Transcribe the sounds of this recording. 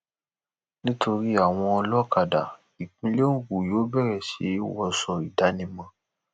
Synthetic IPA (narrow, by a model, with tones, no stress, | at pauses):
nĩ˦tʰo˧ɾi˦a˨w̃ɔ̃˧ɔ˧lɔ˦ka˨da̰˨ | i˨k͡pĩ˧li˦o˦ɡu˨jo˨˦bɛ˦˨ɾɛ˨ʃe˨˦wɔ˧sɔ˨i˨da˨˦nĩ˧mã˧